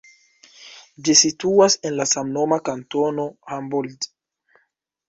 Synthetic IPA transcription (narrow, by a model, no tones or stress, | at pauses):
d͡ʒisituasenlasamnomakantonohambuld